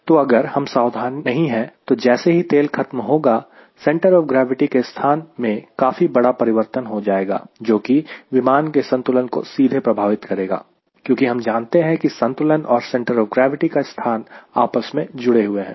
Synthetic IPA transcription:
t̪oɐɡəɾhɐmsaːd̪ʱaːnːɐɦĩɦɛ̃t̪od͡ʒɛːseɦit̪eːlkʰɐt̪mɦoːɡa | sɛ̃ɳʈəɾɔːfɡɾɛːʋɪʈikest̪ʰaːnmẽkaːfibɐɽapɐɾɪʋəɾt̪ənɦod͡ʒaːeːɡa̰ːd͡ʒoːkiʋɪmaːnkesɐ̃nt̪ʊlənko̰siːd̪ʱepɾɐbʱaːʋɪt̪kɐɾeːɡa̰ː | kjõːkiɦɐ̃md͡ʒaːnt̪eɦɛ̃kisɐ̃nt̪ʊlənɔːɾsɛ̃ɳʈəɾɔːfɡɾɛːʋɪʈikast̪ʰaːna̰ːpəsmẽd͡ʒʊɽeɦʊeɦɛ̰̃ː

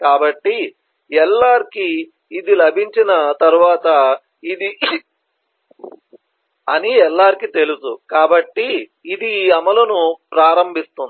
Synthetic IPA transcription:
kaːbɐʈːi | ɛlːaːɾkiː | d̪ilɐbʱiɲt͡ʃinɐt̪ɐɾuʋaːt̪ɐ | id̪i | ɐ̰niɛlːaːɾikit̪e̞lusukaːbɐʈːiːd̪iːɐmɐlɐnupɾaːɾɐmbʱist̪und̪i

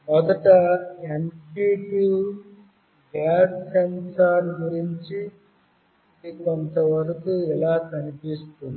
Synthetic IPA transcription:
mɔd̪ɐʈɐeɳʈiːʈuː | kejɖsensaɾɡuɾiɲt͡ʃi | ikont̪ɐʋɐɾɐkuɛlaːkɐnipist̪und̪i

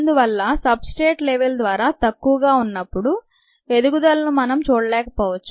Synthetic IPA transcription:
nd̪uʋɐlːɐsɐbsʈeːʈleʋeld̪ʋaːɾaːt̪ɐkːuʋɐɡaːunːɐpːuɽu | e̞d̪uɡud̪ɐlɐnumɐnɐmt͡ʃuːɽɐlɛːkɐpɔːʋɐt͡ʃːu

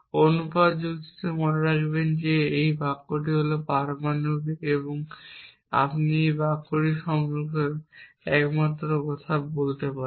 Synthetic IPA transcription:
onupad͡ʑoɡt̪it̪emoneɾakʰbend͡ʑeejbakːoʈiɦolopaɾomanobikeboŋ | a̰pnibakːoɾiʃɔŋɾokʰeɾ | ɛkmat̪ːɾokɔt̪ʰabolt̪epaɾe

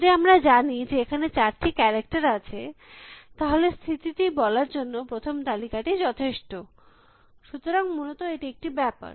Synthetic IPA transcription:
d̪iamɾad͡ʑanid͡ʑeekʰanet͡ɕaɾʈikɛɾek̚ʈaɾat͡ɕʰe | t̪aɦolest̪ʰit̪iʈibɔlaɾd͡ʑonːopɾot̪ʰomt̪alikaʈid͡ʑɔt̪ʰeʃʈo | ʃut̪oɾaŋmunot̪oeʈiek̚ʈibɛpa̰ɾ

